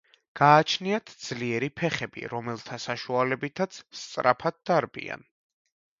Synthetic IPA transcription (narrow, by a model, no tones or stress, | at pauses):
ɡ̥aːt͡ʃʰniat̪ʰd̪z̥liɛɾipʰɛχɛbḭɾɔmɛlˠt̪ʰasaʃualɛbit̪ʰat̪sʰst̪sʼɾʔapʰad̪̚d̪aɾbḭa̰n